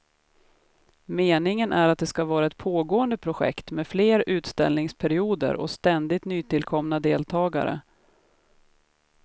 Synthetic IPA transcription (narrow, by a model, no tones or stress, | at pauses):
meːnɪŋənʔæɾat̪̚d̪ɛskavɑːɾaɛt̪̚pʰoːɡoːənd̪əpʰɾʊɧɛ̰kt̪meːd̪fleːɾʉ̟ːt̪st̪ɛ̰lnɪŋspʰæɾɪuːd̪ə̰ɾʔɔ̰st̪ɛnd̪ɪt̪nyːt̪ɪlkʰɔmnad̪eːlt̪ʰɑːɡa̰ɾə̰